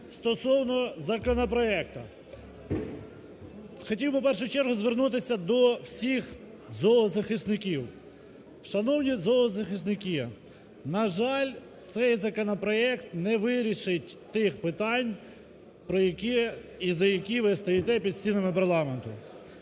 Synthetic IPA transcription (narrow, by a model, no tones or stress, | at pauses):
st̪ɔsɔwnɔzɐkɔnɔpɾɔɛkt̪ɐ | xɔtʲiwbɪp̬ɛrʃʊjt͡ʃɛrɦʊzʋernut̪̬ɪsʲɐd̪ɔwsʲix | zɔlˠɔzɐxɪsnɪkʲiw | ʃɐnɔwnʲizɔlˠɔzɐxɪsnɪkʲi | nɐʒɑlʲ | t̪sɛjzɐkɔnɔpɾɔɛkt̪nɛʋɪɾʲiʃɪtʲt̪ɪxpɪt̪ɑnʲ | pɾɔjɐkʲiizɐjɐkʲiʋɪst̪ɐjit̪ɛpʲid̪sʲinɐmɪpɐrlˠɑment̪ʊ